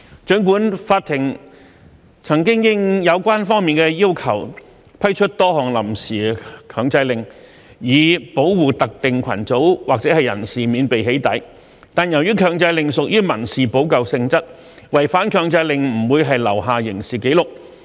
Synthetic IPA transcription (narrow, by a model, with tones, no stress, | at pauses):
t͡ʃɵ˨˥ŋkuː˨˥nfaː˧t̚t̪ʰɪ˨˩ŋ | t͡sʰɐ˨˩ŋkɪ˥ŋjɪ˨˥ŋjɐ˨˧wkʷaː˥nfɔː˥ŋmiː˨nkɛ˧jiː˥wkʰɐ˨˩w | pʰɐ˥jt͡ʃʰɵ˥t̚t̪ɔː˥hɔː˨ŋlɐ˨˩msiː˨˩kʰœː˨˧ŋt͡sɐ˧jlɪ˨ŋ | jiː˨˧po˨˥wwuː˨t̪ɐ˨k̚t̪ɪ˨ŋkʰɐ̰˨˩nt͡so˨˥wwaː˨k̚t͡sɛː˨˥hɐ˨jɐ̰˨˩nsiː˨miː˨˧npe˨jɦe˨˥jt̪ɐ˨˧˥j | t̪aː˨njɐ˨˩wjyː˥kʰœː˨˧ŋt͡sɐ˧jlɪ˨˩ŋsʊ˨k̚jyː˥mɐ˨˩nsiː˨po˨˥wkɐ˨˧wsɪ˧ŋt͡sɐ˥t̚ | wɐ˨˩jfaː˨˥nkʰœː˨˧ŋt͡sɐ˧jlɪ˨ŋm̩˨˩wuː˨˧jɦɐ˨jlɐ̰˨˩wɦaː˨jɪ̰˨˩ŋsiː˨ke˨˥jlʊ˨k̚